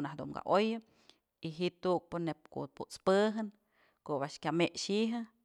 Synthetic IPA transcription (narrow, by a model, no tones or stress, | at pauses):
nahd̪ṵmɡa̰ʔojɨ | iɦit̪uk̚pɨnep̚ko̰ʔ̪̚puʔt͡spɨɦɨn | koʔβaʔʃkʲameʔʃiɦɨ